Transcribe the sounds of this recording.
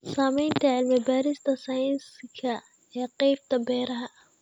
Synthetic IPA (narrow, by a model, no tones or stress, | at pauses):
saːmɛjnt̪ʰɐʕɪlmɪbaːɾɪst̪ʰɐsaːjɐnskʰɐ | ɛːqɛjbt̪ʰɐbɛːɾɐɦɐ